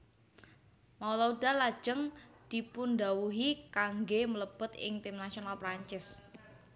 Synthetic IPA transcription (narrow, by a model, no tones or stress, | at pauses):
maulaudalḁd͡ʒ̥əŋd̪̥ipundawuɦikaŋɡemələb̥ʊt̪ɪ̰ŋt̪ɪmnasionalpɾaɲt͡ʃɪs